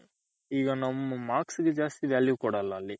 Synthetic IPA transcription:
iɡɐnɐmːumaːkskid͡ʒaːst̪iʋaːljukuːɽalːalːi

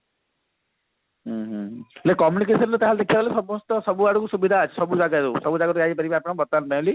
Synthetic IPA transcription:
ɦɦlekɔmjunik̬esɔntut̪ɛɦald̪ekʰijabalesɔbɔ̃st̪ɔsɔbuaukusubid̪ʱaːt͡ʃʰisɔbuzaɡaɾusɔbuzaɡatuaɡipaɾibaapnɔ̃bɔt̪ːanbãli

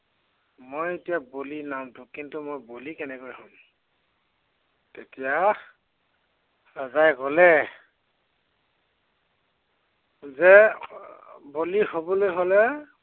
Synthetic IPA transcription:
mojetijabolinaw̃tʊkintumojbolikɛnɛkojhɔm | tetija | ɹazajkɔlɛ | zɛ | bolihobɔlojɦolɛ

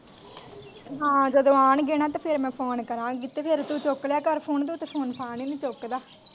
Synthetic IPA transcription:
ɦãːd͡ʒəd̪õːaːnɡeːñãːt̪ãːpʰɪɾmɛ̃ːpʰoːnkəɾãːkɪt̪eːpʰɪɾt̪uːt͡ʃokljaːkəɾpʰoːnd̪oːt̪epʰoːnpʰaːniːnĩːt͡ʃokd̪aː

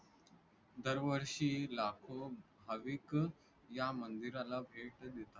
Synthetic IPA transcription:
d̪əɾʋəɾʂiːlakʰobʱaʋik | jamənd̪iɾalabʱeʈd̪et̪a

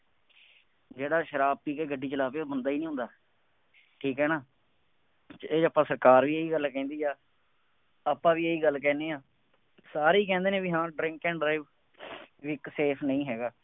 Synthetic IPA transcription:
d͡ʒeːɽaːʃəɾaːb̚piːkeːɡəɖːiːt͡ʃəlaːpeːobənd̪aːiːnĩɦʊ̃nd̪aː | ʈʰiːkɦɛːnaː | t͡ʃeːəpãːsəɾkaːɾʋiːeːiːɡəlkɛ̃ːnd̪iːaː | aːpãːʋiːeːiːɡəlkɛ̃ːneːãː | saːɾeiːkɛ̃ːnd̪eːnẽːʋiɦãːɖɾɪ̃ŋkɛ̃ːɳɖɾaːɪʋ | ʋikseːpʰnəĩːɦɛːɡaː

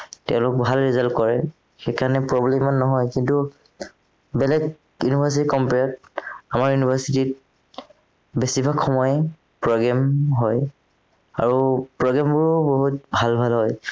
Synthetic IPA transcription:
tɛʊ̃lʊk̚bʱalɹizaltkɔɹɛ | xekanɛpɹɔblɛmanːɔɦɔjkintu | bɛlɛk | junibʱasitikɔmpɛt̚amaɹjunibʱasitit̚ | besibʱakʰːɔmɔj | pɹɔɡamɦɔj | aɹupɹɔɡambʊɹboɦut̚bʱalbʱalɦɔj

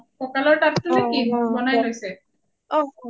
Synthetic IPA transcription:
kokaloɾʈapt̪unikibɔnajlojsʰe

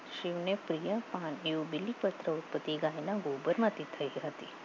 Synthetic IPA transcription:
ʃiʋnepɾijəpaneũbɪlːipət̪ɾəut̪̚pət̪iɡanãɡobəɾmãt̪ʰit̪ʰəiɦət̪ḭ

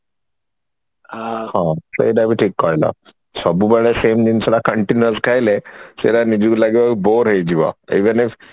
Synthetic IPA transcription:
ahãsḛid̪abiʈʰiːkːajla̰ | səbubəɭesemd͡ʑinslakəɳʈinjuəskʰajlesḛɾanid͡ʑulaɡiʋaboɾɦejd͡ʑiʋa̰iʋənif

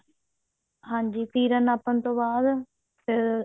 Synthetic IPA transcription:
ɦãːɲd͡ʒiːt̪iːɾənaːpənt̪õːbaːd̪ | peɾ

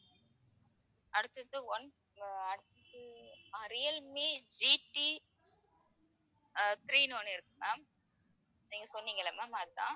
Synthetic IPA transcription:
ʔɐɽɯt̪ːɯt̪ːɯʋɔn | ɐɽɯt̪ːɯt̪ːɯɐɾɪjɐlmeːd͡ʒiʈːi | t̪ɪɾiːnoːnɪɾɯkːɯmaːm | niːŋɡɐsɔnːiːŋɡɐɭɐmaːmaːɾt̪ã̰ː

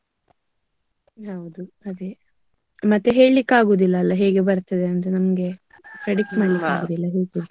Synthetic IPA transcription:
ɦɐwd̪uɐd̪e | mɐt̪ːeɦe̞ːɭikːaːɡuːd̪ilːɐːlːɐɦeːɡebɐɾt̪ːɐd̪eɐnt̪enɐmɐɡe̞ | kɾɐɽikːmaːɭːikaːɡɡuːd̪ilːɐɦeːɡuːd̪u

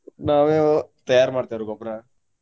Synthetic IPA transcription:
naːʋet̪ɐjaːɾmaːɖt̪aːɾuɡɔpːɐɾa

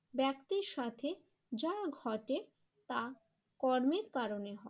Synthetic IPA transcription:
bɛkt̪iɾʃat̪ʰe | d͡ʑaɡʱɔʈe | t̪a | kɔɾmeɾkaɾoneɦɔ

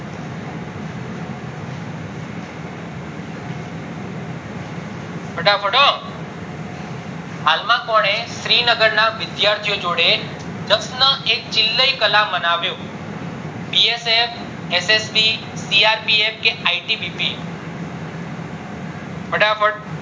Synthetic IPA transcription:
bʱəɖapʰəɽo | ɦalmãkɔɽ̃eʃɾinəɡəɾnaʋɪd̪jaɾt̪ʰijod͡ʒoɽe | d͡ʒəksnəʔek̚t͡ʃɪlːəikəlamːənaʋjũ | piesef | esespi | siaɾpief̚keaiʈibipi | bəɖapəɽ

